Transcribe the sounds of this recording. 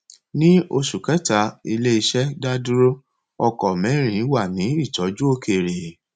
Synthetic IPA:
nĩ˦o˧ʃu˨kɛ˨˦ta˨˦i˧le˦i˧ʃɛ˦da˦du˦ɾo˦ | ɔ˧kɔ˨mɛ̃˨˦ɾ̃ĩ˨˦wa˦˨nĩ˨˦i˦˨tɔ˨˦d͡ʒu˦o˧kʰe˨ɾe˨

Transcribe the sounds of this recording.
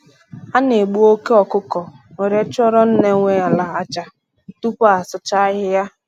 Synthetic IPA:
a˦ne˨ɡ͡bu˦o˦ke˦ɔ˨kʊ˦kɔ˨ | we˨ɾe˨˦t͡ʃɔ˦ɾɔ˦n̩˦ne˦ŋʷe˦a˨la˨a˦t͡ʃa˨ | tu˦pʊ˦a˨sʊ˦t͡ʃa˦ɦɪ˦ja˦

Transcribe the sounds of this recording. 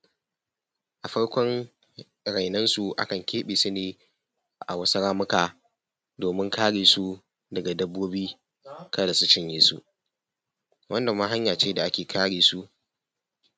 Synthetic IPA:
ʔa˨ɸɐ˦ɽkʷɔ˦ŋ | ɽa˨jnɐ˦nsu˨ʔa̰˦kɐ˨ŋkʲʰeː˦ɓeː˨su˦neː˨ | ʔa̰˨wɐ˦sɐ˦ɽaː˦mʊ˦kaː˨ | doː˨mɪ˦ŋkʰaː˦ɽeː˨su˦ | dɐ˨ɡa˨dɐ˦bːoː˦biː˦ | kɐ˦da˨su˦t͡ʃɪ˦ɲjiː˦sṵ˦ʔ | wʔɐ˦nda˨ma˦ɦa˦ɲjaː˨t͡ʃeː˦da˨ʔa˦kʲeː˨kʰaː˦ɽeː˨su˦ʔ

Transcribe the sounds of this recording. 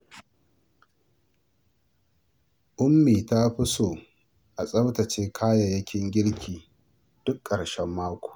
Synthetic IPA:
ʔʊ˦mːiː˨ta˦ɸʊ˦soː˨ | ʔa˨sʼɐ˦wtɐ˨t͡ʃeː˦kʰaː˦ja˨jɐ˦kʲʰɪ˦ŋɡʲɪ˦ɽkʲʰiː˨ | d̥ʊ˦kʼːɐ˨ɽʃɛ˦mːaː˦kʷo̥ː˨

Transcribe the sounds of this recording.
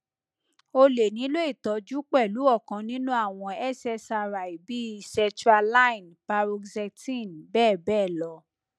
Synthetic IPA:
o˧le˨nĩ˨˦lo˦e˦˨tɔ˨˦d͡ʒu˦k͡pɛ˦˨lu˨˦ɔ˦˨kã˨nĩ˦nũ˦a˦˨w̃ɔ̃˧ɛ˦˨sɛ˧sa˧ɾa˨i˨bi˨˦sɛ̃˧tuɾa˧la˦ĩ˨npa˧ɾo˧ksɛ˧tĩ˦˨nbɛː˦˨bɛː˦˨lɔ˨˦

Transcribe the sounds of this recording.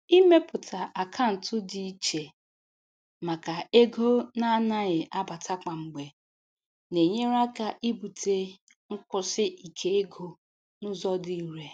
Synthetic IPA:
i˦me˦pʊ˨tʰa˨ʔa˨kʰa˦n̩˨tʊ˦di˨i˦t͡ʃe˨ | ma˨ka˨e˦ɡo˦na˦na˦ɣɪ˨ʔa˦ba˨ta˦ka˨ŋ͡m̩˨ɡ͡be˨ | ne˨ɲe˦ɾa˦ka˨ʔi˦bu˨te˦ | ŋ̩˦kʊ˦sɪ˦ʔi˨kʰe˨e˦ɡo˨ | nʊ˦zɔ˦di˨i˨ɾe˨

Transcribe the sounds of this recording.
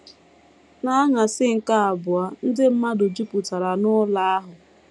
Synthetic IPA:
na˦a˦ŋa˨sɪ˦ŋ̩˨ka˦a˨bʊ˨a˨n̩˦dɪ˦m̩˦ma˦dʊ˨d͡ʒu˦pu˨ta˨ɾa˨nʊ˦la˦a˦ɦʊ˨

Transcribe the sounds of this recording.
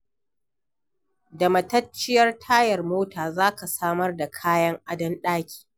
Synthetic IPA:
dɐ˨mɐ˨tɐ˦t͡ʃːɪ˦jɐ˦rtʰaː˦jɐ˨rmoː˦taː˨zaː˦ka˨saː˦mɐ˦rda˨kʰaː˦jɐ˦ŋʔa˦dɐ˦nɗaː˦kʲi̥ː˨

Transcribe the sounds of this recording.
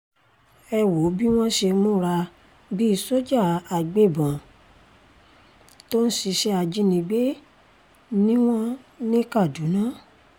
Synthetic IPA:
ɛ˧wo˨˦bi˦w̃ɔ̃˦ʃe˧mũ˦ɾa˧ | bi˦i˦˧so˦d͡ʒa˦˨a˨ɡ͡be˦˨bã˨ | to˦n̩˦si˧ʃɛ˦a˧d͡ʒi˧nĩ˧ɡ͡be˦ | nĩ˦w̃ɔ̃˦nĩ˦ka˦˨du˨˦nã˦

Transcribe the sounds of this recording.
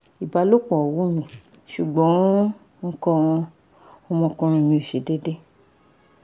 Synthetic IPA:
i˨ba˨˧˦lo˦k͡pɔ̃˨ɔ˨wu˨˦mĩ˨ | ʃu˨ɡ͡bɔ̃˨˦ | ŋ̩˦kɔ̃˦˨ɔ̃˧ | ɔ˧mɔ̃˧kɔ̃˧ɾ̃ĩ˧mĩ˧o˨ʃe˨˦de˦de˦

